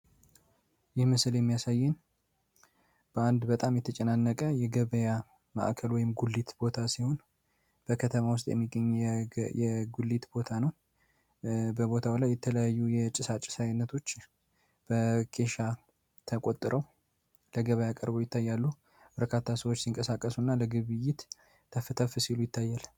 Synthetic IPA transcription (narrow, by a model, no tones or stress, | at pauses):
jɪhmɨsljɛmːijasajːɨn | b̥əand̪bət̪ʼamjɛt̪ʰət͡ʃʼɛnanːəkʼəjɛɡəβəja | ma̰ʔkʰəlwɔjɪmɡulːit̪bo̞t̪ʰasiho̞n | b̥əkʰət̪ʰəmawʊst̪ʼjɛ̰mːiɡːəɲːujɛɡulːit̪bo̞t̪ʰanəw | bəbo̞t̪ʰawlajːɛt̪ʰələjajːujɛt͡ʃʼɪsat͡ʃʼɪsajnːət̪ʰo̞t͡ʃː | b̥əkʰe̞ʃa | t̪ʰəkʼo̞t̪ʼːɨɾʔəw | ləɡəβəjakʼəɾbojɪt̪ːajːalːu | b̥əɾkʰat̪ʰːasəwot͡ʃːsiŋkʼəsakʼːəsunːaləɡɨβɨjɪt̪ | t̪ʰːəfɨt̪ʰəfɨsilujɪt̪ʰːajːal